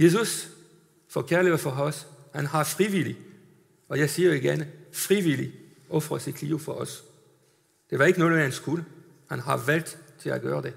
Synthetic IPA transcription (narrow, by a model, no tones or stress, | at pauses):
je̝s̬us | fɒkʰæɐliðəfɒɒshænhɑ̈fʁiʋili | ɒ̽jɑ̈ɪsiːɐiɡ̥enfʁiʋili | ʔɒ̽fʁɐsid̥kʰliːʊfɒʔɒs | d̥e̝ʋɑ̈e̝ɡ̥ənɔ̽ːð̩ˠhænsɡ̥ulə | hænɦɑ̈ʋæl̰d̥t͡sʰe̝læɡ̥ɶːɐd̥e̝